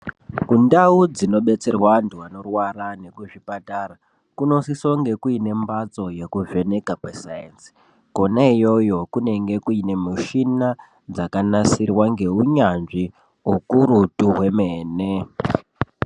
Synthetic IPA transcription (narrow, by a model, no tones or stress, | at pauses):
kundaud͡zino̞ɓe̞t͡se̞rwantuano̞rwarane̞kuʐipatara | kuno̞siso̞ŋɡe̞kuine̞mbat͡so̞je̞kuve̞ne̞kakwesajensi̥ | ko̞naijo̞jo̞kune̞ŋɡe̞kuine̞muʃina | d͡zakanasirwaŋɡe̞uɲanʐi | ukuɾutuɦwe̞meːne̞